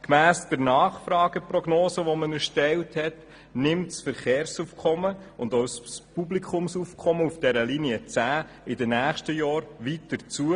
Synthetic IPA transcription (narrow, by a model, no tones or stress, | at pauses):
kmæːsd̥əɾnɑːχfrɑːɡ̥əprɔɡnoːsəʋɔmənəʃtɛlthɛt | nɪmtsfəɾχeːɾsufkʰɔməʊndoʊsspublikʰʊmsufkʰɔməufd̥ɛɾəliniət͡sæː | ɪdənæːχʃtəjɑːɾʋitəɾt͡suə